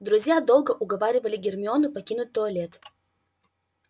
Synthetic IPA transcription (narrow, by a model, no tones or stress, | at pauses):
d̪ɾʊzʲjad̪olˠɡəʔʊɡɐvaɾʲɪvəlʲɪɡʲɪrmʲɪonʊpɐkʲinʊt̪̚ʲt̪oɐlʲet̪